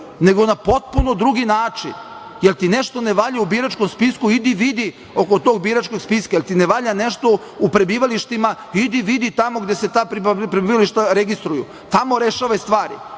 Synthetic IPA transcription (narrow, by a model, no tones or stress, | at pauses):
ne̞ɡonapo̞t̪̚punod̪ɾuɡinaːt͡ʂḭn | jelt̪ineʃt̪oneʋaʎaubiɾat͡ʃkomspiskuid̪iʋid̪i | o̞ko̞t̪o̞ːɡ̚biɾat͡ʃkoɡspiskajelʲt̪ineʋaʎane̞ʃt̪o̞ | upɾebiːʋaliʃt̪ima | id̪iʋid̪it̪amo̞ɡd̪e̞se̞t̪aːpɾipɾebiːʋaliʃt̪aɾeɡist̪ɾujṵ | t̪amo̞ɾeʃaːʋast̪ʋaːɾḭ